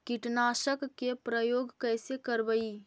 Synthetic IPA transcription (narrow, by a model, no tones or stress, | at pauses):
kɪʈnaːʃəkːepɾəjoːɡkɛːsekəɾbəiː